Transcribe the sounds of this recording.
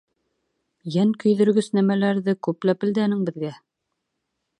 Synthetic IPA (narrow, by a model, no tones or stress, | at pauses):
jæŋkɵ̆jðɵ̆ɾɡɵsnæmælæɾðɘkʉplæpɘ̆ld̪ænɘŋbɘ̆ðɡæ